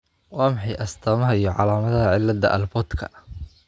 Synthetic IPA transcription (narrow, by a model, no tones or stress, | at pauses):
wɑːmɪħɑjʔɐst̪ʰɐːmɐɦɐijɞʕɑ̰laːmɐðɐɦɐʕɪlːɐd̪ɐ̰ʔɐ̰lbɔt̪kʰɐ